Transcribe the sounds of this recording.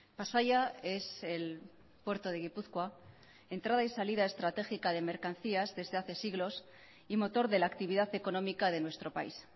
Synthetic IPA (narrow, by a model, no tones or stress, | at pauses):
pasaʝae̞se̞l | pwe̞ɾt̪o̞ð̞e̞ɣ̞ipuθkwa | e̞nt̪ɾað̞aisalið̞ae̞st̪ɾat̪e̞xikað̞e̞me̞ɾkan̟θiazðe̞zðe̞aθe̞siɣlo̞s | imo̞t̪o̞ɾðe̞laːkt̪iβ̞iðaθe̞ko̞nõ̞mikað̞e̞nwe̞st̪ɾo̞pais